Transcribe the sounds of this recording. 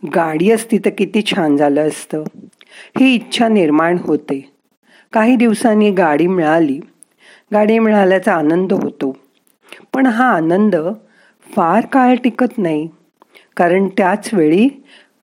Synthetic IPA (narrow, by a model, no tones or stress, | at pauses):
ɡaɽiːəst̪iːt̪əkit̪iːt͡ɕʰãnd͡zʱaləəst̪əː | hiːtːɕʰaniɾmaɳɦot̪e | kaɦiːd̪iʋsanːiːɡaɽiːmiɭaliː | ɡaɽiːmiɭaljat͡saːnənd̪əɦot̪o | pəɳɦãːnənd̪ə | faɾkalʈikət̪naɦi | kaɾəɳt̪jat͡sʋeɭiː